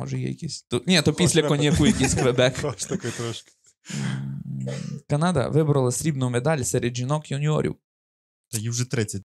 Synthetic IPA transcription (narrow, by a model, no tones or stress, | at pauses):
mɔ̰ʒɛjɛ̰jɐ̰kʲisʲt̪ɔnʲɛt̪ɔpʲisʲlʲɐkɔnʲɛkʊjɐkisʲkʋɛbɛk̪ɐkɔjt̪ɾɔʃk | kɐnɑd̪ɐ̰ʋɪbɾɐlˠɐsʲɾʲibnʊmed̪ɑlʲsɛɾed̪ʒinɔkjunʲiɔ̰ɾʲḭw | t̪ɔjiwʒɛt̪ɾɪt͡sʲːɐt̚ʲ